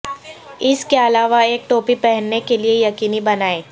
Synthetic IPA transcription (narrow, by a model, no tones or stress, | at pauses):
ɪskeɐlaːʋaeːk̚ʈoːpipɛɦɛnːekeliejɐkiːnibɐnaːeː